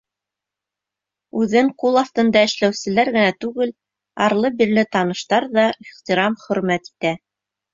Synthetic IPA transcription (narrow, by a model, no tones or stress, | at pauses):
ʉðɘŋqulˠɑft̪ɤ̆nd̪ɑɘ̆ʃlæwsɘ̆læɾɣɘ̆næt̪ʉɡɘl | ɑɾlˠɤbiɾlɘt̪ɑnɤ̆ʃt̪ɑɾðɑiχt̪iɾɑmχɵ̆ɾmæt̪i̥t̪æ